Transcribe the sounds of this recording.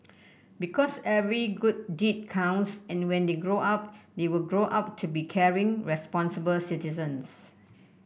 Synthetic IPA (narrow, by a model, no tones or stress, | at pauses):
bikʰɔsɛvɹiɡud̚dit̚kʰãw̃nsɛ̃nwɛ̃ndeɡɹoʔap̚dewilɡɹoʔap̚tʰubikʰɛɹĩŋɹɛspɔ̃nsəbəlsitizə̃ns